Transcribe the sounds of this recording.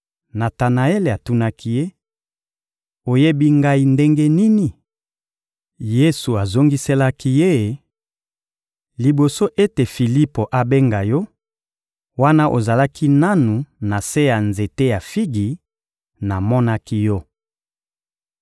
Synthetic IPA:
na˨ta˨na˨e˦le˨a˨tu˦na˦kʰi˦je˦ | o˨je˦bi˦ŋɡa˦i˦nde˦ŋɡe˦ni˦ni˨ | je˦su˨a˨zo˦ŋɡi˦se˦la˦ki˦je˦˨ | li˨bo˨so˦ʔe˦te˨fi˨li˦po˨ʔa˨be˦ŋɡa˨jɔ˦ | wa˦na˦ʔo˨za˨la˦kʰi˦na˦nu˨na˨se˦ja˨nze˨te˦ja˨fi˦ɡi˨ | na˨mɔ˦na˦ki˦jɔ˦

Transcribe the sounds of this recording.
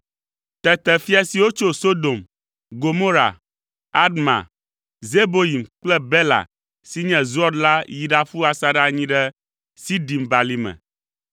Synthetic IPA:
t̪ɛ˨t̪ɛ˨fi˦a˨si˨wo˦t͡ʃo˦so˦d̪o˨m | ɡo˨mo˦ɾa̰˨ | a˦d̪mã̰˨ | ze˦bo˦ji˨mk͡plɛ˦bɛ˦la̰˨ | si˦ɲɛ̃˨zu˦ɔ˦dla˦ji˨ɖa˨fu˦a˨sa˦ɖa˦ɲĩ˦ɖɛ˦ | si˦ɖi˨mba˨li˦mɛ̰̃˨

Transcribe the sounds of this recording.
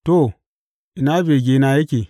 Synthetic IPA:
to˦˨ | ʔi˨na˦be˨ɡʲe˨na˨je˦kʲe˨

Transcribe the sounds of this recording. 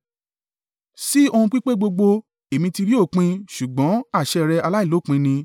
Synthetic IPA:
si˦o˧hũ˧k͡pi˦k͡pe˦ɡ͡bo˧ɡ͡bo˧ | e˨mĩ˧ti˧ɾi˦o˦˨k͡pĩ˧ʃu˨ɡ͡bɔ̃˨˦a˦˨ʃɛ˧ɾɛ˧a˧la˦i˦˨lo˨˦˨k͡pĩ˧nĩ˧

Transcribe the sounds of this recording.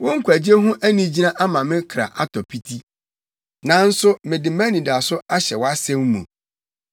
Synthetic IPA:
wʊ̃˦ŋ̩˦kʷʰæ˨d͡ʑɪ˦e˦ɦʊ̃˦ʔæ˦nĩ˨d͡ʑi˦nã˦ʔa˦mã˨mɪ̃˦kʰɾa̰˨ʔa˦tʰɔ˨pʰi˦tʰi˦ | nã˨n̩˦sʊ˦mɪ̃˨dɪ˨mã˦nĩ˨da˨sʊ˦a˦ɕɛ˨wɔ˦a˦sɛ̃˦m˦mṵ̃˨

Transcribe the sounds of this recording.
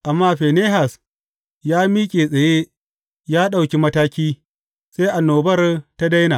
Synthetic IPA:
ʔa˨mːaː˦ɸeː˨neː˦ɦa˨s | jaː˦miː˦kʲʼeː˨sʼɐ˨jeː˦ | jaː˦ɗa˨wkʲi˦mɐ˦taː˦kʲiː˦ | se˦jʔa˨nːoː˨bɐ˦rta˦da˦jnaː˨

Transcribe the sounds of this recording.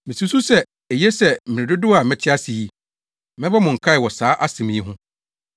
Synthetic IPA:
mɪ̃˨su˦su˦sɛ˦ | e˨jɛ˦sɛ˦˨mɪ̃˨ɪ̃˨dʊ˦dʊ˦a˨mɪ̃˦tʰɪ˦a˦si˨ji˦ | mɪ̃˦bɛ˦mʊ̃˨ŋ̩˨kʰa˦ɪ˨wɔ˨saː˨˦ʔa˦sɪ̃˨mĩ˦i˦ɦʊ̃˦

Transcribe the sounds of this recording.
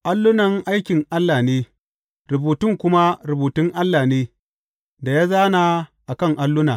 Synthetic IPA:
ʔa˦lːʊ˦nɐ˨ŋʔa˦jkʲɪ˨ŋʔa˦lːaː˨neː˦ | ɾʊ˨buː˨tʊ˦ŋkʷʊ˦ma˦ɾʊ˨buː˨tʊ˦ŋʔa˦lːaː˨neː˦ | da˨jaː˦zaː˦naː˨ʔa˨kɐ˦˨ŋʔa˦lːʊ˦naː˨

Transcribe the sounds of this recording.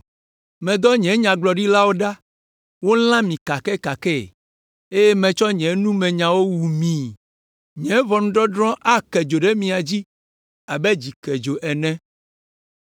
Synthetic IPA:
mɛ̃˨d̪ɔ˦ɲɛ̃˨˦ɲã˨ɡ͡blɔ˨ɖi˦la˦wo˦ɖa˦ | wo˦l̃ã˦mĩ˨ka˨kɛ˦ka˨kɛ˦˨ | e˦jɛ˦mɛ̃˨t͡ʃɔ˦ɲɛ̃˨˦nũ˦mɛ̃˨ɲã˨wo˦wu˨mĩ˨ | ɲɛ̃˨˦vɔ˨nũ˦ɖɔ˦ɖɾɔ̃˦ʔa˦kɛ˨d͡ʒo˨ɖe˦mĩ˨a˨d͡ʑi˦ | a˨bɛ˦d͡ʑi˨kɛ˨d͡ʒo˨ʔɛ˨nɛ̃˦

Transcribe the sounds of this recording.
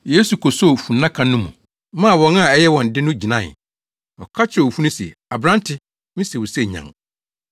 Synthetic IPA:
je˦su˨kʰɔ˨so˦˨fũ˨nːã˦kʰã˨nʊ̃˦mṵ̃˨ | mã˦˨wɔ̃˨ŋ˦a˨ɛ˦jɛ˦wɔ̃˨n̩˨dɪ˦nʊ̃˦d͡ʑi˨nã˦˨ | ɔ̰˨kʰa˦t͡ɕʰɪ˦ɔ˨fu˦nʊ̃˦siɛ̰˨a˨bɾã˦n˦tʰɪ˦ | mĩ˦se˨wʊ˨sɛ˦˨ɲã̰˨ŋ

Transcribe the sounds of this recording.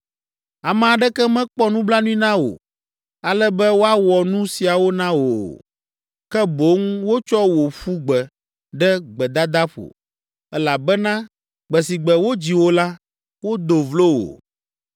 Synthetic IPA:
a˨mɛ̃˨a˨ɖɛ˦kɛ˦mɛ̃˦k͡pɔ˦nũ˦bla˦nũ˦ĩ˦nã˦wo̰˨ | a˨lɛ˦bɛ˦wo˦a˦wɔ˨nũ˦si˨a˨wo˦nã˦wo˨ | kɛ˦bo˨˦ŋwo˦t͡ʃɔ˦wo˨ɸu˦ɡ͡bɛ˨ | ɖɛ˦ɡ͡bɛ˨d̪a˦d̪a˦ɸo̰˨ | ɛ˦la˨bɛ˦nã˦ | ɡ͡bɛ˨si˨ɡ͡bɛ˨wo˦d͡ʑi˨wo˦la˦ | wo˦d̪o˨vlo˦wo̰˨

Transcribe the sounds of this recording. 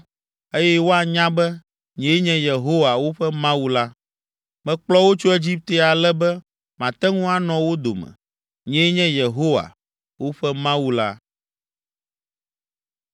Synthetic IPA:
e˦jɛ˦wo˦a˨ɲã˦bɛ˦ | ɲɛ̃˨˦ɲɛ̃˦je˨ɦo˦wa˨wo˦ɸɛ˦mã˦wu˨la˦ | mɛ̃˨k͡plɔ˦wo˦t͡ʃo˦e˦d͡ʑi˦p̚t̪e˦a˨lɛ˦bɛ˦ | mã˨t̪ɛ˦ŋũ˦a˨nɔ̃˨wo˦d̪o̰˨mɛ̰̃˨ | ɲɛ̃˦ɲɛ̃˦je˨ɦo˦wa̰˨ | wo˦ɸɛ˦mã˦wu˦la˦

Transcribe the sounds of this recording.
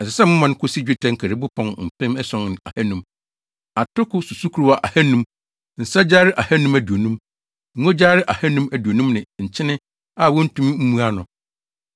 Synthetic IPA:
ɛ˨sɪ˨sɛ˦mʊ̃˦mã˨ñ˦kʰʊ˦si˦d͡ʑᶣɪ˦tʰɛ̃˨˦ŋ̩˦kʰɛ˨ɾɪ˨˦bʊ˦pʰɔ̃˨nm̩˨pʰɪ̃˦mɛ˦sɔ̃˨n˨a̰˨hɛ˦nũ˦m | a˨tʰʊ˦kʊ˦su˨su˦kʰu˨ɾu˦a˨ʔa˨hɛ˦nũ˦m | n̩˨sa˦d͡ʑaː˦ɾɪ˦ʔa˨hɛ˦nũ˦mæ˨du˨o˨nũ˦m | ŋ̩˦o˦d͡ʑa˦ɾɪ˦ʔa˨hɛ˦nũ˦mæ˨du˨o˨nũ˦mnɪ̃˨ɲ̩˨t͡ɕʰɪ˦nɪ̃˦ | a˦˨wɔ˦n̩˦tʰũ˦m˦m̩˦mũ˦a˦nʊ̃˨

